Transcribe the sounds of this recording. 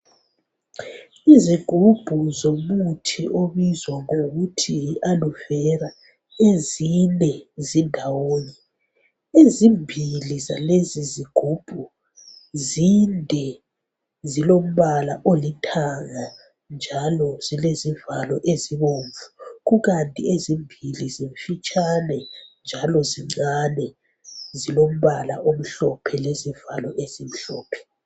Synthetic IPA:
iziɡ̥ʱub̥ʱuzomutʰiʔoβizwaŋoɣutʰialuvɛɾa | ezinɛzindʱawoːnɛ | ezimbʱilizaleziziɡ̥ʱub̥ʱu | zindʱɛ | zilom̩βalaʔolitʰaŋa | nd͡ʒʱalɔz̥ilezivalɔʔeziβoɱvuɣuɣantʼḭezimbʱiliziɱfit͡ʃʼanɛnd͡ʒʱalɔziŋ͡ǀanɛ | zilom̩βala̰ʔom̩ɬɔpʰɛlezivalɔʔezim̩ɬɔːpʰɛ̥

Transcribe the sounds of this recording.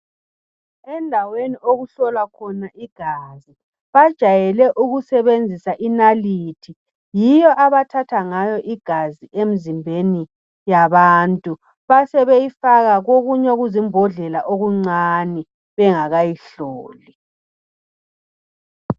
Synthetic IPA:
ɛndʱawenioɣuɬɔlakʰɔnaʔiɡ̥ʱaːzi | βad̥ʒ̥ʱajɛlɛʔuɣusɛβend͡zʱisaʔinaliːtʰi | jijɔʔaβatʰatʰaŋajɔʔiɡ̥ʱaziʔem̩zimbʱeni | jaβaːntʼu | βasɛβejifaɣaɣoɣuɲɛoɣuzimbʱɔɮɛlaʔoɣuŋ͡ǀani | βɛŋaɣajiɬoːli

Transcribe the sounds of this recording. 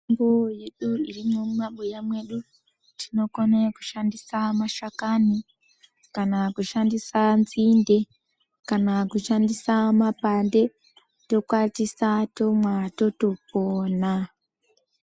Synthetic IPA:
ŋboje̞ɗuirimumaɓujamwe̞ɗu | tʰino̞koneku̥ʃandisamaʃakani | kanakuʃandisanzinde̞ | kanakuʃandisamapande̞ | to̞kwatisato̞mwatotopoːna

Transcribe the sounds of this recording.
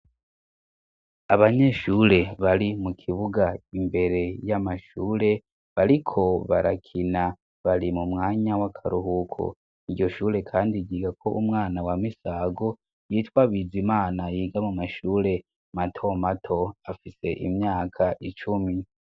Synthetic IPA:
aβaɲe̞ʃuːɾe̞βaɾimukʰiβuɡaimbe̞ɾe̞jamaʃuːɾe̞ | βaɾikʰo̞βa̰ɾa̰kʰina | βaɾimumŋaːɲawakʰaɾuɦukʰo̰ | iɾɟo̞ʃuːɾe̞kʰaːndiɡiːɡakʰo̞ʔumŋaːnawamisaɡo | jiːtwaβizimaːnajiːɡamumaʃuːɾe̞ | matʰomatʰo̞afise̞ʔḭmɲaːkʰaʔit͡ʃumi

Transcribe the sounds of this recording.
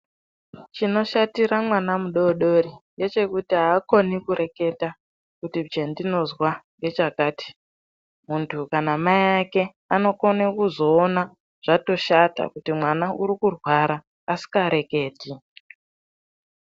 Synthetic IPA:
t͡ʃino̞ʃatiɾamwanamuɗo̞ɗo̞ɾije̞t͡ʃe̞kutiɦaːko̞nikuɾe̞ke̞ta | kutibd͡ʒendino̞zwaŋɡe̞t͡ʃakaːti̥ | muntʰukanamaake̞ | ano̞ko̞nekuzo̞ːna | ʐ̥ato̞ʃata̰kutimwanaʔuɾikurwaɾaː | si̥kaɾe̞ke̞ːti

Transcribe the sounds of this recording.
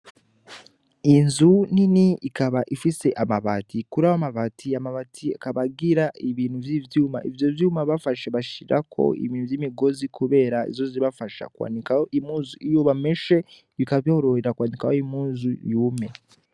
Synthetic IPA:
inzuniniːkaβaʔifise̞ʔamaβa̰tʰikuɾawamaβatʰiamaβatʰia̰kaβaɡiɾaiβiːn̥huvjivjuːma̰ʔivjovjuːmaβafaʃeβaʃiɾʔa̰kʰo̞̰ḭβiːn̤uvjimiɡo̞zikʰuβe̞ːɾaḭzo̞ziɾiβafaʃa̰kwa̰ːndikajoʔimuːnzuʔijoβameʃe̞ | βikaβjo̞ɾo̞ɾeɾakwaːndikajoimuːnzujuːme̞

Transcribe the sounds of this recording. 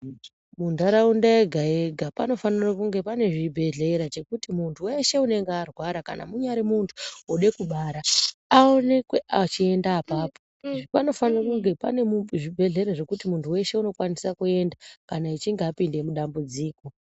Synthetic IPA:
mundaɾaundaeɡʱae̞ɡʱapano̞fanirakuŋɡe̞pane̞ʐibʱe̞ɮe̞ɾat͡ʃe̞kutimuntʰuwe̞ʃe̞une̞ŋɡearwaɾaka̰na̰muɲaɾimuntʰu̥oɗe̞kuɓaːɾaao̞ne̞kwe̞ʔat͡ʃie̞ndaːpaːpo̞ | ʐipano̞fanirakuŋɡe̞pa̰neʐibʱe̞ɮe̞ɾaʐe̞kutimuntʰuwe̞ʃe̞uno̞kwanisakue̞ndakanait͡ʃiŋɡeapinde̞muɗambud͡ziːko̞

